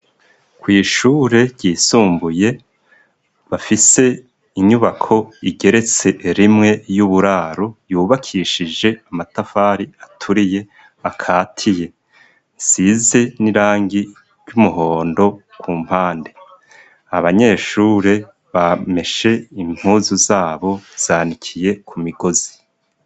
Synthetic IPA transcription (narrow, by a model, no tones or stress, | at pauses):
kwiːʃuːɾe̞ɾɟiːsuːmbuje̞ | βafise̞ | iɲuβakʰo̞iɡe̞ɾe̞t͡se̞ɾimŋe̞juβuɾaːɾojuːβakʰiʃid͡ʒe̞amatafaːɾiatʰuɾije̞ | akʰaːtʰije̞ | size̞niɾaːŋɡi | ɾɟumuɦo̞ːndo̞ | kʰuːm̥haːnde | aβaɲe̞ʃuɾe | βame̞ʃe̞im̥huːzuzaːβo̞z̥aːnikʰije̞kʰumiɡ̥o̞zi̥